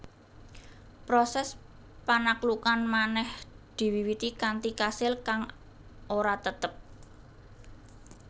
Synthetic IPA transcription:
pɾosɛs | panaklukanmanɛhd̪̥i̤wiwit̪ikant̪ikasɪlkaŋ | ʔoɾat̪ət̪əp̚

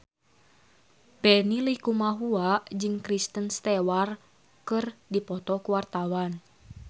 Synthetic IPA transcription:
pɛnilikumaɦuaʔd͡ʒɨŋkɾist̪ənst̪ɛwar | kɨrdipɔt̪ɔkuwart̪awan

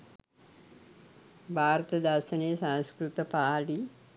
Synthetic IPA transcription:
bʱaːɾət̪əd̪ʱaɾʃənejsãnskɾut̪əpaːli

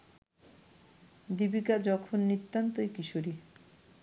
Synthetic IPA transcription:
d̪ibikad͡ʑɔkʰonːit̪ːant̪oekiʃoɾi

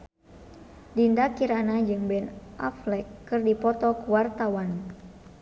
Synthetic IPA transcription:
dindakiɾanad͡ʒɨŋbɛnʔa̰flɛkːɨrdipɔt̪ɔkuwart̪awan

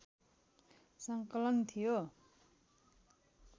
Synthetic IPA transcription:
sʌŋkʌlʌnt̪ʰijo

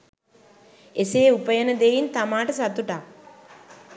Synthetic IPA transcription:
eseːupəjənəd̪ejint̪amaːʈəsat̪uʈa

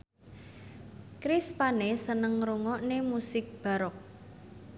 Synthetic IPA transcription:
kɾispanesənəŋɾuŋɔʔnemusɪk̚b̥a̤ɾɔk̚

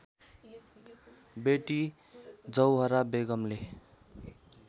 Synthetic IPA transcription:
beʈi | d͡zʌwɦʌɾabeɡʌmle

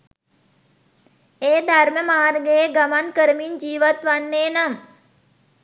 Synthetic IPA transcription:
eːd̪ʱarməmaːɾɡejeɡamankəɾəmiɲd͡ʒiːʋat̪ʋanːeːnam

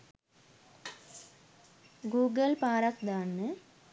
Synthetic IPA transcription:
ɡuːɡəlpaːɾakd̪aːnːə

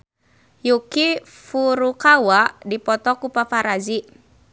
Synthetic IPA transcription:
juki | fuɾukawaʔdipɔt̪ɔkupafaɾad͡ʒi

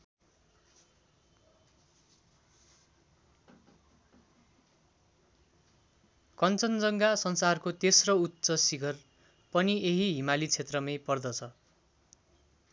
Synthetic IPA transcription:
kʌnt͡sʌnd͡zʌŋɡasʌnsarkot̪esrʌutːsʌsiɡʱʌr | pʌnieɦiɦimalit͡sʰet̪rʌmepʌrd̪ʌt͡sʰʌ

